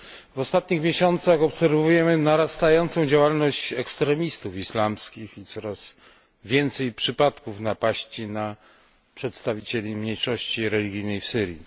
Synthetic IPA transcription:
vɔst̪at̪̚ɲixmʲjeɕɔnt̪saxɔpsɛɾvujɛmɘnaɾast̪ajɔnt̪sɔ̃w̃d͡ʑawalnɔɕt͡ɕɛkst̪ɾɛmʲist̪ufislamskʲixit̪sɔɾaz̥ | vʲjɛnt̪sɛjpʂɘpat̪kufnapaɕt͡ɕina | pʂɛt̪st̪avʲit͡ɕelʲimɲejʂɔɕt͡ɕiɾɛlʲiɡʲijnɛjfsɘɾjḭ

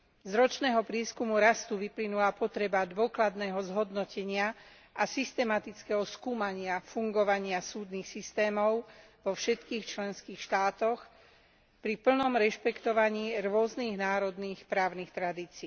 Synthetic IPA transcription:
zɾɔt͡ʃnɛːɦɔpɾɪɛːskumuɾast̪uʋiplinulapɔt̪ɾɛbad̪ʋʊɔklad̪nɛːɦɔzɦɔd̪nɔcɛɲɪa | asist̪ɛmat̪it͡skɛɦɔskuːmaɲɪafuŋɡɔʋaɲɪasuːd̪niːxsist̪ɛːmɔʊ | ʋɔfʃɛt̪kiːxt͡ʃlɛnskiːxʃt̪aːt̪ɔx | pɾipl̩nɔmɾɛʃpɛkt̪ɔʋaɲiːɾʊɔzniːɣnaːɾɔd̪niːxpɾaːʊnixt̪ɾad̪iːt͡siː

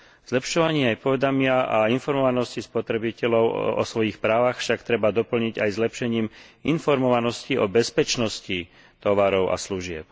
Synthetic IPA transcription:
z̥lɛpʃɔʋaɲɪɛajpɔʋɛd̪amɪaainfɔɾmɔʋanɔscispɔt̪ɾɛbicɛlɔʊɔ̰sʋɔjixpɾaːʋaxfʃakt̪ɾɛbad̪ɔpl̩ɲiɟajzlɛpʃɛɲiːminfɔɾmɔʋanɔsciʔɔbɛspɛt͡ʃnɔsci | t̪ɔʋaɾɔʊʔa̰sluʒɪɛp̚

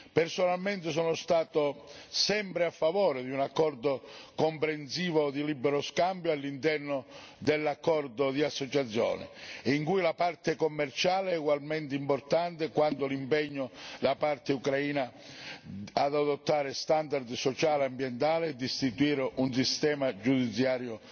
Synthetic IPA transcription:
personalment̪ɪs̬ɔːnʊst̪aːt̪ʊsɛmpɾɪafːavɔːɾɪd̪iunakːɔrd̪okompɾensiːvod̪ilibɛɾoskambjoalːint̪ɛrnʊ | d̪elːakːɔrd̪ʊd̪iasːot͡ʃat̪sːjɔ̰ːnɪ̰iŋkujlapart̪ɪkomːɛrt͡ʃaːleɛuɡwalmɛnt̪ɪimport̪ant̪ɪkwant̪ʊlimpɛɲːʊlapart̪ɪukɾaiːna | ad̪ad̪ot̪ːaːɾɪst̪and̪ard̪sɔt͡ʃaːleambjɛnt̪aːlɪːd̪ːist̪it̪uiːɾeunsist̪ɛːmad͡ʒud̪it̪sːjaːɾjʊ

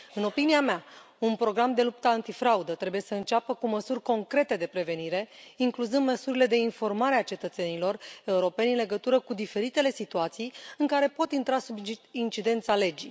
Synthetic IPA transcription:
ɨno̞piniamea | unpɾo̞ɡɾamd̪e̞lup̚t̪əant̪ifɾaud̪ət̪ɾe̞buje̞səɨnt͡ʃapəkuməsurʲko̞ŋkɾe̞t̪e̞d̪e̞pɾe̞ve̞niɾe̞iŋkluzɨnd̪məsuɾile̞d̪e̞info̞rmaɾe̞at͡ʃe̞t̪ət̪se̞nilo̞re̞uɾo̞pe̞nʲɨnle̞ɡət̪uɾəkud̪ife̞ɾit̪e̞le̞sit̪uat̪sijɨŋkaɾe̞po̞t̪int̪ɾasubint͡ʃid̪e̞nt̪sale̞d͡ʒḭ

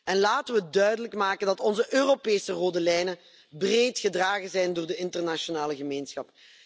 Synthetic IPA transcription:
ɛnlaːtənʋədœɥdələkmaːkəndɑtɔnzəʔøːropeːsəroːdəlɛjnə | breːtxədraːɣəzɛjndʊːrdəɪntərnaʃonaːləɣəmeːnsxɑp

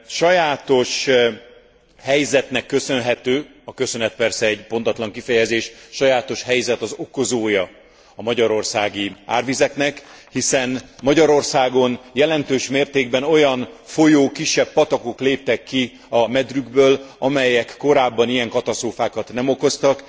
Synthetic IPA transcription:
ʃɒjaːt̪o̞ʃ | hɛjzɛt̪nɛkːø̞sø̞nɦɛt̪øː | ɒkø̞sø̞nɛt̪̚pɛrsɛɛɟpo̞nt̪ɒt̪lɒŋkifɛjɛzeːʃʃɒjaːt̪o̞ʃhɛjzɛt̪ɒzo̞ko̞zoːjɒ | ɒmɒɟɒɾo̞rsaːɡia̰ːrvizɛknɛkhisɛnmɒɟɒɾo̞rsaːɡo̞njɛlɛnt̪øːʃmeːrt̪eːɡbɛno̞jɒnfo̞joːkiʃːɛpːɒt̪ɒko̞kleːp̚t̪ɛkːi | ɒmɛd̪ryɡbøːlɒmɛjɛkːo̞ɾaːbːɒnijɛŋkɒt̪ɒst̪roːfaːkɒt̪nɛmo̞ko̞st̪ɒk

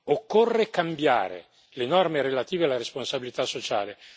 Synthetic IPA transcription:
okːorːekambja̰ːɾḛ | lenɔrmeɾelat̪iːvealːaɾesponsabilit̪asːot͡ʃaːle

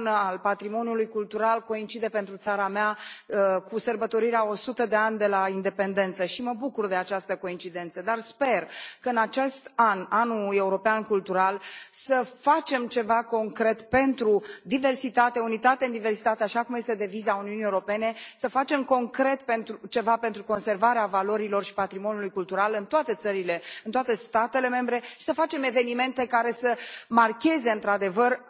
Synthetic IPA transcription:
nalpat̪ɾimo̞njulujkult̪uɾalko̞int͡ʃid̪e̞pent̪ɾut̪saɾameaəkusərbət̪o̞ɾiɾeao̞sut̪əd̪e̞anʲd̪e̞laind̪e̞pe̞nd̪e̞nt̪səʃiməbukurd̪e̞at͡ʃast̪əko̞int͡ʃid̪e̞nt̪səd̪arspe̞rkəɨnat͡ʃe̞st̪ananue̞uɾo̞peankult̪uɾalsəfat͡ʃe̞mt͡ʃe̞vako̞ŋkɾe̞t̪pe̞nt̪ɾud̪ive̞rsit̪at̪eunit̪at̪eɨnd̪ive̞rsi̥t̪at̪eaʃakumjest̪e̞d̪e̞vizauniunijeuɾo̞pe̞ne̞səfat͡ʃe̞mko̞ŋkɾe̞t̪pe̞nt̪ɾut͡ʃe̞vape̞nt̪ɾuko̞nse̞rvaɾeavalo̞ɾilo̞rʃi̥pat̪ɾimonjulujkult̪uɾalɨnt̪oat̪e̞t̪səɾile̞ɨnt̪oat̪e̞st̪at̪e̞le̞me̞mbɾe̞ʃi̥səfat͡ʃe̞me̞ve̞nime̞nt̪e̞kaɾe̞səmarkʲe̞ze̞ɨnt̪ɾad̪e̞vər

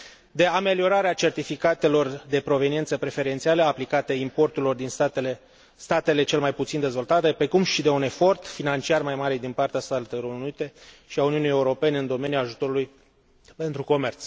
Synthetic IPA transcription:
d̪e̞ame̞lio̞ɾaɾeat͡ʃe̞rt̪ifikat̪e̞lo̞rd̪e̞pɾo̞ve̞nient̪səpɾe̞fe̞ɾe̞nt̪sialeaplikat̪eimpo̞rt̪uɾilo̞rd̪inst̪ele | st̪at̪e̞le̞t͡ʃe̞lmajput̪sind̪e̞zvo̞lt̪at̪e̞pɾe̞kumʃid̪e̞une̞fo̞rt̪finant͡ʃiarmajmaɾed̪inpart̪east̪alt̪eɾounuit̪e̞ | ʃiauniunijeuɾo̞pe̞ne̞ɨnd̪o̞me̞njulaʒut̪o̞ɾuluj | pe̞nt̪ɾuko̞me̞rt̪s

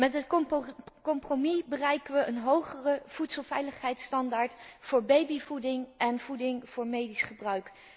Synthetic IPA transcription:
mɛtɦət | kɔmpromibərɛjkəʋəʔənɦowχərəv̥utsəlˠvɛjləχɦɛjtstɑndaːɹtfʊːɹbejbivudɪŋʔɛnv̥udɪŋv̥ʊːɹmejdisχəbrœɥk

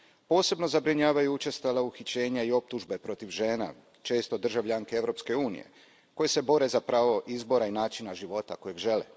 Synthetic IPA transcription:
po̞ːse̞bno̞zabɾiɲaːʋajuut͡ʃe̞st̪alauxit͡ɕe̞ːɲaio̞p̚t̪uʒbe̞pɾo̞t̪iʋʒe̞ːna̰ | t͡ʃe̞ːst̪od̪r̩ʒaʋʎaŋkeeʋɾo̞pske̞uːnḭjḛ | ko̞je̞se̞bo̞ɾe̞zapɾaːʋo̞ʔizbo̞ɾainaːt͡ʃinaʒiʋo̞t̪ako̞jeɡʒe̞lḛ

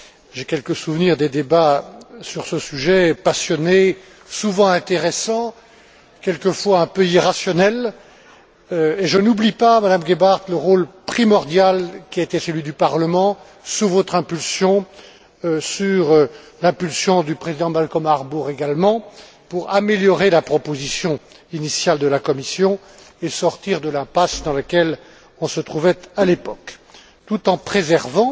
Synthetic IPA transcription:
ʒekʲɛlkəsuvniʁd̪ed̪ebasyʁsəsyʒɛpasjɔne | suvɑ̃ɛ̃t̪eʁɛsɑ̃ | kʲɛlkəfwaɛ̃pəiʁasjɔnɛl | øeʒənublipamad̪amɡʲebaʁt̪ləʁolpχimɔʁd̪jalkʲiaet̪ɛsəlɥid̪ypaʁləmɑ̃ | suvɔt̪χɛ̃pylsjɔ̃ | syʁ | lɛ̃pylsjɔ̃d̪ypχezid̪ɑ̃malkɔmaʁbuʁeɡalmɑ̃ | puʁameljɔʁelapχɔpozisjɔ̃ | inisjald̪əlakɔmisjɔ̃ | esɔʁt̪iʁd̪əlɛ̃pasd̪ɑ̃ləkʲɛl | ɔ̃sət̪χuvɛt̪alepɔk | t̪ut̪ɑ̃pχezɛʁvɑ̃

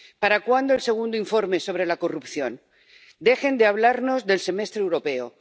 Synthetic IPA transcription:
paɾakwand̪oelse̞ɣ̞und̪oiɱfo̞ɾme̞so̞βɾe̞lako̞rupθjo̞n | d̪e̞xe̞nd̪eaβ̞laɾno̞zðe̞lse̞me̞st̪ɾewɾo̞pe̞o̰

